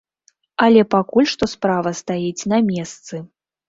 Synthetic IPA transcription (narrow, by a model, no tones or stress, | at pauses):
ɐlʲɛpakulʲʂt̪ɔspɾavɐst̪ajit͡sʲnɐmʲɛst̪sɨ